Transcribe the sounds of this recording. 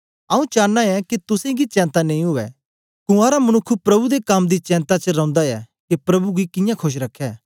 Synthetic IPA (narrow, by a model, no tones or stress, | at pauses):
ɐũt͡ʃaːnːaɛkit̪ʊsẽɡit͡ʃɛ̃ːnt̪anɐ̃ĩɦʊɛ | kũaːɾamɐnʊkʰːupɾɐbud̪ekɐmd̪it͡ʃɛ̃ːnt̪at͡ʃəɾɐ̃ʊ̃nd̪aɛ | kipɾɐbuɡikɪ̃jãkʰoʃ̬ɾɐkʰːɛː